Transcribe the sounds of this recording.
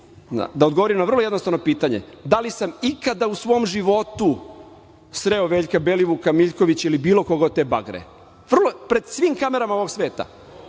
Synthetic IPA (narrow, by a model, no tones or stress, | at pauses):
a̰d̪aod̪ɡoʋoɾimnaʋr̩lojed̪nost̪aʋno̞piːt̪aɲḛd̪alisamikad̪ausʋo̞ːmʒiʋo̞t̪u | sɾeoʋeːʎkabe̞liʋukamiʎko̞ʋit͡ɕilibiːlˠo̞ko̞ɡat̪e̞ba̰ɡɾḛ | ʋr̩lˠopɾe̞d̪sʋiːmkame̞ɾamaoʋo̞ɡsʋe̞ːt̪a̰